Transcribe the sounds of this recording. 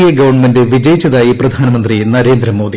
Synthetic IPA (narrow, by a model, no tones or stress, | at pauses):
ijɐɡɐʋɐrɳmendɨʋid͡ʑɐjit͡ɕːɐðaːjiprɐd̪ʱaːnɐmɐnd̪rinɐɾe̞ːnd̪ɾɐmːo̞ːd̪i